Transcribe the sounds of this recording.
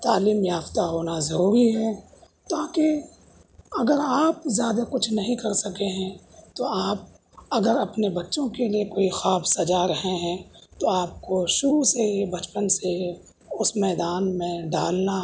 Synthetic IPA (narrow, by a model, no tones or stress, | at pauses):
t̪aːliːmjaːft̪aɦoːnazɐɾuːɾiɦɛː | t̪aːke | ɐɡəɾaːp̚zjaːd̪akʊt͡ʃʰnɐɦĩkɐɾsɐkeɦɛ̃t̪oaːp̚ | ɐɡəɾɐpnebɐtːʃõkeliekoːixaːbsɐd͡ʒaɾɐɦẽɦɛ̃t̪oaːp̚koʃʊɾuseiebɐt͡ʃpənsee | ʊsmɛːd̪aːnmẽɖaːlna